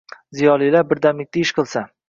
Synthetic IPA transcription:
zijɒlˠilabɪɾd̪amɪk̚ʲt̪aɪʃqɨlˠsa

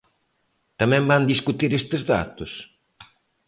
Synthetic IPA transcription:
t̪amɛ̃mband̪iskut̪iɾest̪ezða̰t̪ʊs

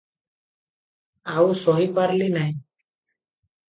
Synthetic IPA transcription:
awsɔɦipaɾlinaj

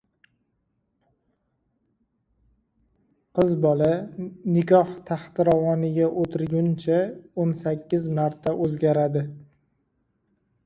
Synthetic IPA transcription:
qʰɨzbɒlanɪkʰʲɒht̪ʰaχt̪ɾavɒnɪɡʲaʔot̪ʰɪɾɡʲʊnt͡ʃʰaonsakʲʰːɪzmaɾt̪ʰaʔɵzɡʲaɾad̪ɪ

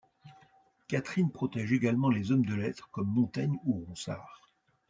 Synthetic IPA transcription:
kat̪χinpχɔt̪ɛʒeɡalmɑ̃lezɔmd̪əlɛt̪χəkɔmːɔ̃t̪aɲuʁɔ̃sa̰ːʁ

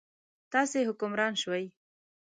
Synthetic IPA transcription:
t̪ɑseɦʊkʊmɾɑnʃwaj

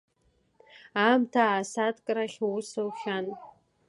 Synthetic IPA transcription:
amtʰaːsatʼkʼɾaχʲwusowχʲan

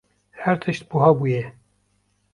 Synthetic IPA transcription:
hæɾt̪ʰɨʃt̪̚buɦɑːbuːjɛ

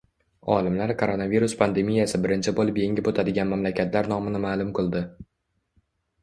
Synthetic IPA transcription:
ɒ̰lɪmlaɾkʰoɾonaviɾʊspʰand̪e̞mijasɪbɪɾɪnt͡ʃʰɪbolˠɪpje̞ŋʲɪpot̪ʰad̪ɪɡʲanmamlakʲʰat̪ʰlaɾnɒmɪnɪmaːlˠʊmkɨlˠd̪ɪ

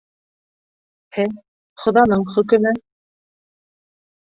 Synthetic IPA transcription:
hɘ | χŏðɑnɤɴχɵ̆kɵ̆nɘ

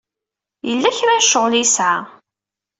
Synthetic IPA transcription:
jəlːæçɾaʃːəʁlisʕa

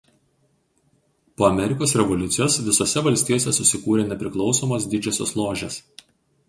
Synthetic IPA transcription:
poːɐmʲɛɾʲɪkoːsɾʲɛʋɔlʲʊt̪sʲɪjoːsʋʲɪsoːsʲɛʋɐlʲsʲt̪ʲijoːsʲɛsʊsʲɪkuːɾʲeːnʲɛpʲɾʲɪklˠɒʊsoːmos̬d̪ʲɪd͡ʒʲɛsʲo̰ːslˠoːʒʲes

